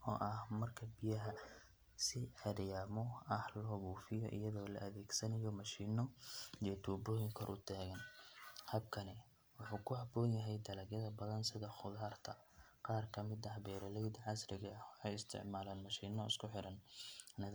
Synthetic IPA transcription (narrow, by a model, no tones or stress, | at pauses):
ɔ̰ːʔɐhmɐrkʰɐbɪjɐɦɐ | sɪʕɛɾjaːmɔɐhlɔɣuːfɪjɔ̰ʔɪ̰jɐðɔːlɐ̰ʔɐðɛːɡsɐnɐjɔmɐʃiːnɔjɛt̪ʰuːbɔːjɪŋkʰɔrʔʊt̪ʰaːɣɐnhɐb̚kʰɐnɛ | wʊħuːkʰʊɦɐbɔːnjɐɦɛjd̪ɐlɐɡjɐðɐbɐðɐnsɪðɐχʊðaːrt̪ʰɐqɑːrkʰɐmɪd̪ɐhbɛːɾɐlɛjd̪ʕɑsrɪɣɐwħɑjɪst̪ʰɪ̰ʕmaːlaːnmɐʃiːnɔɪ̰skʰʊħɪɾɐnɐnɐɣ